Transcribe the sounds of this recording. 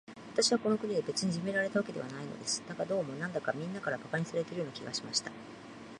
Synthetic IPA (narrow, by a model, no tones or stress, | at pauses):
βat̪aɕiβako̞no̞kɯ̟ɲʲid̪ebe̞t͡sɨɲ̟iʑime̞ɾaɾe̞t̪aβake̞d̪e̞βa̰naino̞̰d̪e̞sɨ̥d̪akad̪o̞ːmo̞nãnd̪akamʲĩnːakaɾabakaɲ̟isaɾe̞t̪eɾɯjonakʲiɡaɕimaɕi̥t̪ḁ